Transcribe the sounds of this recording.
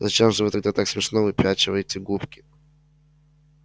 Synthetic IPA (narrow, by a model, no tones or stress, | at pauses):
zɐt͡ɕemʐɨvɨt̪ɐɡ̚d̪at̪aksʲmʲɪʂnovɨpʲat͡ɕɪvəjɪtʲɪɡupkʲɪ̥